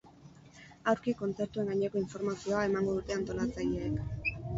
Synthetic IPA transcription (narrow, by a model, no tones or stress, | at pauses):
awɾkiko̞nt͡se̞ɾt̪ue̞ŋɡaɲeko̞iɱfo̞ɾmasio̞ae̞maŋɡo̞ðut̪e̞ant̪o̞lat͡saʎeːk